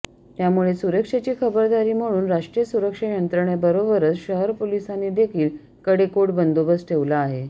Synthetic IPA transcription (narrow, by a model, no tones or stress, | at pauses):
t̪jamuɭesuɾəkʂat͡ɕiːkʰəbəɾd̪aɾiːm̤əɽ̃uːnɾaʂʈɾijəsuɾəkʂajənt̪ɾəɳjebəɾobəɾət͡sɕəɦəɾpolisanːid̪ekʰiːl | kəɽekoʈbənd̪obəsʈʰeʋlaːɦe